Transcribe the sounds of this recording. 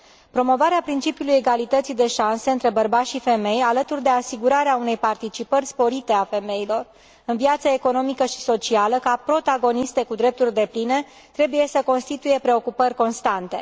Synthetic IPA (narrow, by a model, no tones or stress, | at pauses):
pɾo̞mo̞vaɾeapɾint͡ʃipjuluje̞ɡalit̪ət̪sid̪e̞ʃanseɨnt̪ɾe̞bərbat̪ʃife̞me̞jalət̪urd̪e̞asiɡuɾaɾeaune̞jpart̪it͡ʃipərʲspo̞ɾit̪e̞afe̞me̞ilo̞r | ɨnviat̪səeko̞no̞mikəʃi̥so̞t͡ʃialəkapɾo̞t̪aɡo̞nist̪e̞kud̪ɾe̞p̚t̪urʲd̪e̞pline̞ | t̪ɾe̞buje̞səko̞nst̪it̪uje̞pɾe̞o̞kupərʲko̞nst̪ant̪e̞̰